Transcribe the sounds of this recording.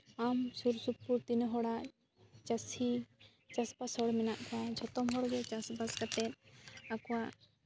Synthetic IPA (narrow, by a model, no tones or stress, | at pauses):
amsuɾsupːuɾt̪inɦɔɽaʔ | t͡ʃasi | t͡ʃaspasɔɽmɛnaʔkad͡ʒʱɔt̪ɔmɦɔɽɡɛt͡ʃasbaskat̪ɛt̪̚akɔwaʔ